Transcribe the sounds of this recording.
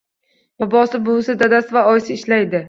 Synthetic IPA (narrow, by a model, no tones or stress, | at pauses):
b̥ɒbɒsɪbʊlˠsɪd̪ad̪asɪvaɒjsɪɪʃlajd̪ɪ